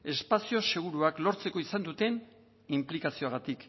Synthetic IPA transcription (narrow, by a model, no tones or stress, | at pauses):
e̞spasio̞se̞ɣ̞uɾuaklo̞ɾt͡se̞ko̞isand̪ut̪e̞n | implikasio̞aɣ̞at̪ik